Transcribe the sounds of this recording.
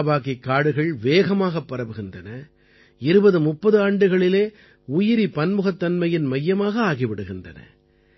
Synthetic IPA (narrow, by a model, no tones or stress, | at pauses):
baːɣɪkːaːɽɯɣɐɭʋeːɣɐmaːɣɐpːɐɾɐʋɯɣɪndrɐnɐ | ɪɾɯbɐðɯmʊpːɐðɯaːɳɖɯɣɐɭɪleː | ʊjɪɾipɐnmɯɣɐt̪ːɐnmɐjɪnmɐjːɐmaːɣɐaːɣɪʋɪɽɯɣɪndrɐ̰nɐ̰